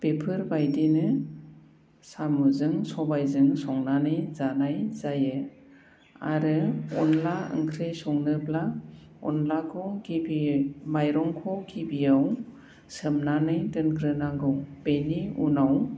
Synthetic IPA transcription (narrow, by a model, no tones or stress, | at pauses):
pepʰɯɾbajdinɯ | samuzɯŋsɔbajzɯŋsɔŋnanɯjzanajzajɯ | a̰ɾɯɔnlaɯ̰ŋkʰɾɯjsɔŋnɯpla | ɔ̰nlakʰɔɡibimajɾɔŋkʰɔɡibijaw | sɯmnanɯjdɯnɡɾɯnaɡɯwb̥ejniṵnaw